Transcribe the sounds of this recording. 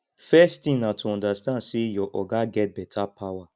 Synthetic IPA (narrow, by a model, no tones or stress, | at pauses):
fɛsttĩnatʰuɔ̃ndastãndsejɔʔɔɡaɡɛt̚bɛtʰapʰawa